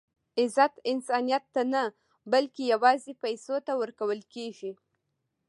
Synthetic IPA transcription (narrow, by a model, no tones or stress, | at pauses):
ɪzat̪ɪnsɑnijat̪ːana | balkejawɑzepajsot̪awəɾkawəlkeʒi